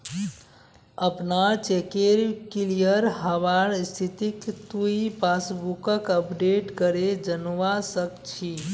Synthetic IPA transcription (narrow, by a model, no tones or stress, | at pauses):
əpnat͡ʃekeɾkilijəɾɦəβaɾst̪ʰit̪ikt̪uipasbukəkəpɖeʈkəɾed͡ʒənʋasəkt͡ʃʰi